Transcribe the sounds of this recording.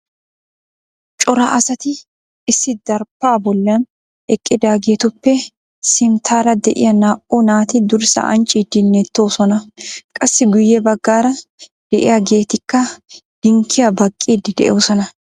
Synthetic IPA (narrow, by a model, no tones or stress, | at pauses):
t͡ʃʼɔɾɐʔɐsɐt̪ɪː | sːɪd̪ɐɾpːaːbɔlːɪɐn | ɛkʼːɪd̪aːɡe̞ːt̪ʊpːɛ | sɪmt̪ʰaːɾɐd̪ɛʔɪ̰jɐnaːʔunaːt̪ɪd̪ʊɾsɐ̰ʔɐ̰nt͡ʃʼːid̪ɪnːɛt̪ːo̞ːsɔnɐkʼɐsːɪɡʊjːɛbɐɡːaːɾɐd̪̥ɛʔɪ̰jaɡe̞ːt̪ɪkːɐd̪̥ɪŋkʰːɪjɐbɐkʼːiːd̪ɪd̪ɛ̰ʔɛwsɔnɐ